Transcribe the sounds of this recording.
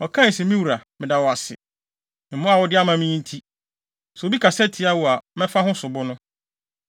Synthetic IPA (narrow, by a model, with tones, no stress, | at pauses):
ɔ˨kʰã˦˨sɛ˨mĩ˦wu˨ɾa˨mɪ̃˨da˨wɔ˨a˨sɪ̰˨ | m̩˨mʊ̃˦a˨wɔ˦dɪ˦a˦mã˦mĩ˦n̩˦tʰi˦ | sɛ˨o˨bi˦kʰa˨sɛ˦tʰɪ˦a˦wu˨a˨mɛ̃˦fa˦ɦʊ̃˦sʊ˨bʊ˦nʊ̃˦